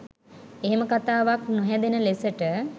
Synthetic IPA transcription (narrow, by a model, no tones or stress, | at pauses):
eɦeməkat̪aːʋaknuɦɛd̪enəlesəʈə